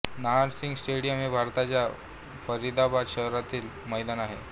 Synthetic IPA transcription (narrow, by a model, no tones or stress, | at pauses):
naɖsiŋɡsʈeɽijəmebʱaɾt̪at͡ɕja | fəɾid̪abad̪ɕəɦɾat̪iːl | məjd̪anaɦe